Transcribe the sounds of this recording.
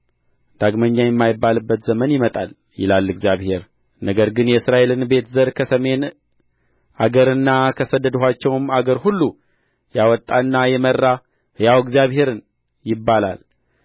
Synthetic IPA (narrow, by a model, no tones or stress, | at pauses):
d̪̥aɡməɲːajɛmːajɪbːalɨbːət̪z̥əmənjɪmət̪ʼal | jɪ̰lalːɨɡzjaβhe̞ɾ | nəɡəɾɡɨnjɛɨsɾaʔe̞lɨnbe̞t̪ʰzəɾkʰəsəme̞n | ʔaɡəɾɨnːakʰəsəd̪ːəd̪əɦat͡ʃːɛwmaɡəɾhulːu | jawɔt̪ʼːaɨnːajɛmərːa | ɨjawɡzijaβhe̞ɾɨn | jɪbːala̰l